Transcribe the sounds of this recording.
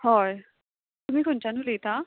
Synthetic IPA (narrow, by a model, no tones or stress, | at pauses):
hɔj | t̪umikʰʊnt͡ʃanʊlejt̪a